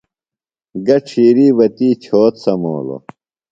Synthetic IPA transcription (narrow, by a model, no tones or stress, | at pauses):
ɡɐʈ͡ʂʰiːɾiːwɐt̪iːt͡ɕʰoːt̪sɐmo̰ːlo̰